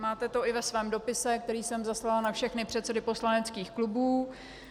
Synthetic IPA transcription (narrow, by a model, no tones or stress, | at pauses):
maːt̪ɛt̪o̞ɪvɛsvɛːmdo̞pɪsɛk̚t̪ɛɾiːsɛmzaslalnafʃɛxnɪpr̝̥ɛt̪sɛdɪpo̞slanɛtt͡skiːxklubuː